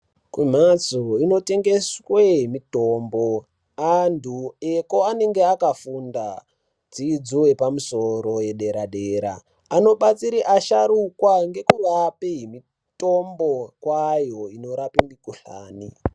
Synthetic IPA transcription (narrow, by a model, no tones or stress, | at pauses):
kwim̤at͡soino̞te̞ŋɡe̞sweɦimito̞ːmbo̞ | andʰʱueko̞ane̞ŋɡeakafunda | d͡zid͡zuwe̞pamuso̞ɾo̞je̞ɗe̞ɾaɗeːɾa̰ː | no̞ɓat͡siɾiʔaʃaɾukwaŋɡe̞kurapiɦimi | to̞mbo̞kwajo̞ino̞ɾapindikuɬa̰ːni